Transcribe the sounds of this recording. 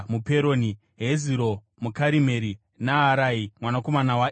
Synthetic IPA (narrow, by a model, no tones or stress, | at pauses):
mupe̞ɾoni | ɦeziɾo | mukaɾime̞ɾi | naɦːɾaimwanako̞manawa